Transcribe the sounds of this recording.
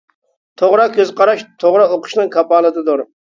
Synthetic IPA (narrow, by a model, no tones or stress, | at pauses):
t̪ʰoʁɾɑkʲʰøzqɑɾɑʃt̪ʰoʁɾɑoqʰə̥ʃnɨŋkʰɑpɑːlˠɨd̪ɨd̪ʊɾ